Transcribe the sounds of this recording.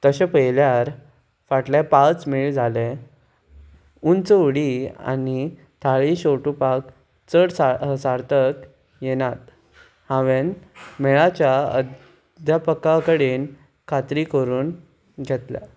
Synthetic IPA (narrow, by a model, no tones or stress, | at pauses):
t̪əɕẽpəjljaɾ | faʈlepat͡smiɭd͡zʱale | unt͡səuɽia̰ni | t̪ʰaɭiɕoʈupak | t͡səɽssaɾt̪ək | jenat̪ | hãʋenmɛɭat͡ɕjaə̰d̪ | d̪ʱjapəkakəɽen | kʰat̪ɾikəɾuːn | ɡʱet̪la̰